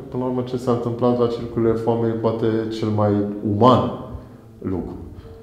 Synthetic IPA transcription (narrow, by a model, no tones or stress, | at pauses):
pɨnləurmət͡ʃe̞sant̪ɨmplat̪̚d̪at͡ʃelukɾuilefoamejepoat̪e̞t͡ʃe̞lmajuman | lukɾu